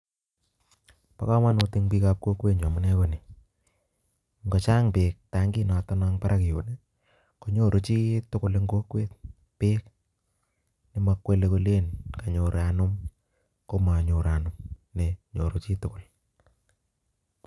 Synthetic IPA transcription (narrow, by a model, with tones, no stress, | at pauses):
pa̰˨ka˦ma˦no˨˧ti˦ŋpi˦ka˦p̚ko˦kwe˦ɲo˨mʊ˦nɛ˦ko˦ni˨ | ŋɡo˨t͡ʃa˦ŋpeː˨k̚ta˦ŋɡi˦na˨ta˦na˦ŋpa˦ɾʔa˦kɪ˨jo˨ne˦ | ko˨˦ɲo˦˨ɾʔo˦t͡ʃi˦tʊ˦kʊ˦le˦ŋɡo˦kwe˦t̚ | pe˦k̚ | ne˨ma˦kwe˦leko˦le˦nka˨ɲo˨ɾanʊ˦m | ko˦ma˨ɲo˨ɾa˨nʊmne˨ɲo˨ɾo˦t͡ʃi˦tʊkʊ˨l